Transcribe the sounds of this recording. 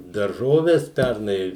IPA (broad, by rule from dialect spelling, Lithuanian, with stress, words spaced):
dɐrˈʒoːʋʲɛs ˈpʲærnɐɪ